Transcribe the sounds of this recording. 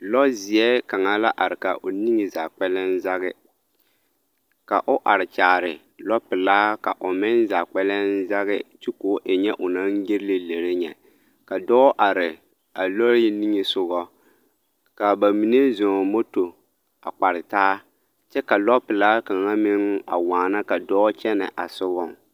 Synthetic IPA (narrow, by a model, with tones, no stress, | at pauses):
lɔ˦zɪ˨ɛ˦ka˨ŋa˦la˦ʔa˨ɾɪ˨ka˨ʔʊ˨ni˦ŋɪ˨zaː˨k͡pɛ˦lɛ˦nza˦ɣɪ˦ | ka̰˨ʔʊ˦ʔa˨ɾɪ˨t͡ʃaː˨ɾɪ˨ | lɔ˦pɪ˨laː˦ka̰˨ʔʊ˨mɪ˦nza˨k͡pɛ˦lɛ˦nza˦ɣɪ˦t͡ʃi˦koː˦ʔɪ˨ɲɛ˦ʔʊ˨na˦nɡɪ˦ɾɪ˦lɪ˦le˨ɾɪ˦ɲɛ̰˨ | ka˨dɔː˦ʔa˨ɾɪ˨ | a˨lɔ˦ɾjɪ˦ni˦ŋɪ˦sʊ˨ɣɔ˦ | ka˨ba˨mi˨ne˦zɔ˨mo˦to˨ | a̰˨k͡pa˨ɾɪ˨taː˦ | t͡ʃɛ˦ka˨lɔ˦pɪ˨laː˦ka˨ŋa˦mɪ˦ŋa̰˨waː˨na˦ka˨dɔː˦t͡ʃɛ˦nɛ̰˨ʔa˨sʊ˦ɡɔ˦˨ŋ